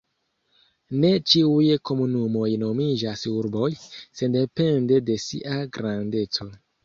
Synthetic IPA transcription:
ne̞t͡ʃiujko̞munumo̞jno̞mid͡ʒasuɾbo̞jse̞nde̞pe̞nde̞de̞sḭʔaɡɾande̞t͡so̞

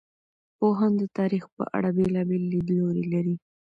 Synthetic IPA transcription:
poɦand̪ət̪ɑɾixpə̰ʔa̰ɽabelɑbelːid̪loɾelaɾi

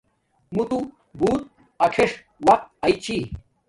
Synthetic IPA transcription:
mut̪u | buːt̪̚ | ɐkʰeʂ | wɐk̚t̪̚ɐjt͡ɕi

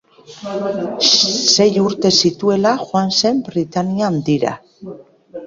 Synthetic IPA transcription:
se̞juɾt̪e̞sit̪ue̞laxwanse̞mbɾit̪aniand̪iɾa̰

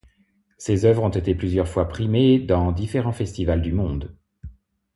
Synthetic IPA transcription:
sezœvʁɔ̃t̪et̪eplyzjœʁfwapχimed̪ɑ̃d̪ifeʁɑ̃fɛst̪ivald̪ymɔ̃d̪

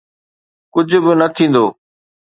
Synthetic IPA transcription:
kʊd͡ʑʱʊbɪnət̪ʰĩːnd̪oː

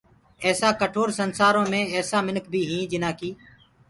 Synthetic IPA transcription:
ɛːsaːkəʈʰoːɾsənsaːɾõːmẽːɛːsaːmɪnəkʰbʱiːɦĩːd͡ʒɪnaːkiː

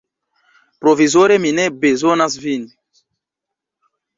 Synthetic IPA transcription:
pɾovizoɾeminɛbezonasvini

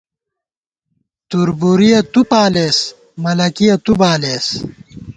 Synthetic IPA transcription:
t̪uɾbuɾijɐt̪upaːleːs | mɐlɐkijɐt̪ubaːleːs

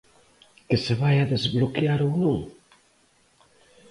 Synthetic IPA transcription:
kɪseβajaðezβlokjaɾonoŋ

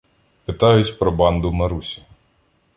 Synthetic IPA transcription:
pɪt̪ɑjʊtʲpɾɔbɑnd̪ʊmɐɾusʲi̥

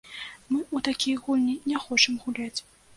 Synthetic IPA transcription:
mɨut̪akʲijɣulʲnʲinʲɛxɔt͡ʂɐmɣulʲat͡sʲ

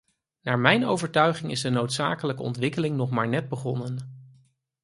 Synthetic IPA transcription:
naːɹmɛjno̰wvəɹtœɥχɪŋɪzdənowtsa̰ːkələkəɔ̰ntʋɪkəlɪŋnɔχmaːɹnɛd̚bəχɔnən

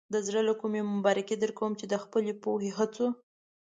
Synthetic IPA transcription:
d̪əzɽəlakumemʊbɑɾɪked̪əɾkawəmt͡ʃed̪əxpəlepoheɦat͡so

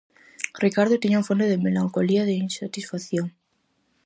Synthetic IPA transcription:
rikaɾð̞ot̪iɲaũfond̪eðemelaŋkoliaðeinsat̪isfaθjoŋ

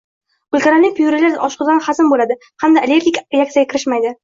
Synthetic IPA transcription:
ʊlʲt̪ʰaɾanɪpʰjuɾɪlaɾɒʃqʊd̪anχasɪnbolad̪ɪ | hamd̪aelʲe̞ɾɡʲikʲɾeak̚t̪jaɡʲakʲʰɪɾɪʃmajd̪ɪ

